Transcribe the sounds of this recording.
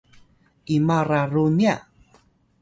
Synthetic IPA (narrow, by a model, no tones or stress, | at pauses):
ʔimaɾaɾunia